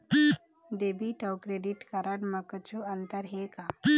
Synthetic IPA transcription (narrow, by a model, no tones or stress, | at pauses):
d̪eːbiʈəwkɾeɖiʈkɐɾəɽməkət͡ʃuɐnt̪əɾɦeːka